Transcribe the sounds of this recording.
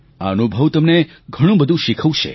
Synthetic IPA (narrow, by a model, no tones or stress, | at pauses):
aənubʱəʋt̪əmne | ɡʱəɽ̃ũbəd̪ʱũʃikʰəʋũt͡ʃʰḛ